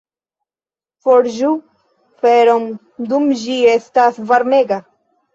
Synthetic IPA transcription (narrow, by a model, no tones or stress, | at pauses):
foɾʒu | feɾom | d̪umʒiest̪asvaɾmeɡa